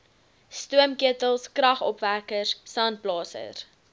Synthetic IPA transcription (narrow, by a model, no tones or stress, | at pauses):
stuəmkiətəlˠskrɐχɔpværkəssɑnt̚plɑːsə̰r